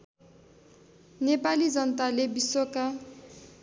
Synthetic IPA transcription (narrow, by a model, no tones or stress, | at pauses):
nepalid͡zʌnt̪alebisoka